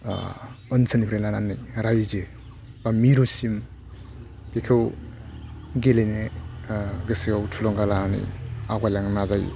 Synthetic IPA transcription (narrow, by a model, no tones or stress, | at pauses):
ɯnsanipʰɾelananijɾajze | bamiɾusim | pikʰɯw | ɡelene | ɡɯsiɡawtʰulɔŋɡalananḭjaɡajlaŋnazaj